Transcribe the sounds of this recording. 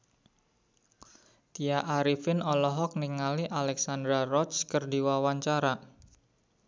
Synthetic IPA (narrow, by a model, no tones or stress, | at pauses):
t̪iaʔaɾifɪnɔlɔɦɔk̚niŋaliʔalɛksand̪ɾarɔt̪skərdiwawaɲt͡ʃaɾa